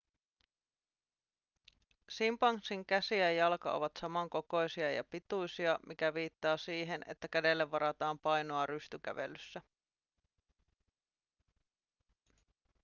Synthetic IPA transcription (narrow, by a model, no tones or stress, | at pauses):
simpɑŋsiŋkæsiæjɑlkɑ̰ʔo̰ʋɑt̪sɑmɑŋko̞ko̞jsiɑjɑ̰pit̪ujsiɑmikæʋiːt̪ːɑːsiːɦe̞ne̞̰t̪ːækæde̞lːeʋːɑɾɑt̪ɑːmpɑjno̞ɑɾyst̪ykæ̰ʋḛlysːæ